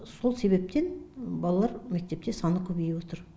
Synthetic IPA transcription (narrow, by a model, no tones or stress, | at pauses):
so̞lˠse̞βe̞p̚t̪e̞nbɑlˠɑlˠɑɾmek̚t̪e̞p̚t̪esɑnəkʲʰɵbejewo̞t̪əɾ